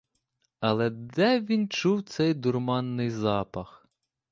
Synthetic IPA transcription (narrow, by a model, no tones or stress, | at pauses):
ɐlˠɛd̪ɛʋʲint͡ʃuwt̪sɛjd̪ʊrmɑnːɪjzɑpɐx